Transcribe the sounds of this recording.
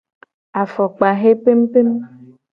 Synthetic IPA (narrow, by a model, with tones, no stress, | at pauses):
a˨fɔ˨k͡pa˨ɦe˦pe˦m̩˦pe˦mũ˦